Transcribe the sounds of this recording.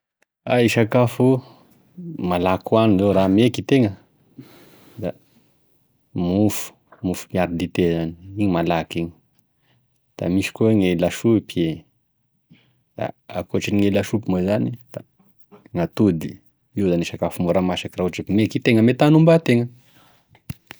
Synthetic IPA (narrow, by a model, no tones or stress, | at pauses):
aiʃakafu | malakwanizoɾamekit̪eŋə | d̪a | mufu̥ | mufumiaɾid̪it̪ezani̥iɲimalakiɲi̥ | d̪̥a̰miʃi̥koŋelaʃupie | d̪̥a̰akuaʈ͡ʂiniŋelaʃupumazanid̪̥a | ŋat̪ud̪i | iwzaniʃakafumoɾamasakirauʈ͡ʂekimekit̪eŋəmet̪anumbat̪eŋə